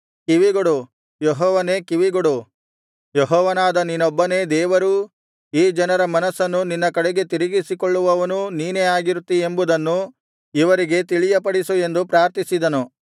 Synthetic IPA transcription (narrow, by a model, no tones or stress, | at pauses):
kiʋiɡoɽu | jɔɦɔːʋɐne̞ːkiʋiɡoɽu | jeɦɔːʋɐnaːd̪ɐninɔbːɐne̞ːd̪ɛːʋɐɾuː | iːd͡ʒɐnɐɾɐmɐnɐsːɐnːuninːɐkɐɽɛɡe̞t̪iɾiɡisikoɭːuʋɐʋɐnuniːneaːɡiɾut̪ːie̞mbud̪ɐnːu | iʋɐɾiɡe̞t̪iɭijɐpɐɽisue̞nd̪upɾaːɾt̪isid̪ɐnu